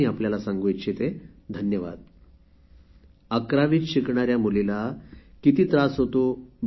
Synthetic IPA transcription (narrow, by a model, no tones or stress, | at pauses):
iapljalasãŋɡujt͡ɕʰit̪e | d̪ʱənjəʋa̰d̪̚ | akɾaʋiːt̪ɕikɳaɾjamulilakit̪iːt̪ɾasɦot̪ob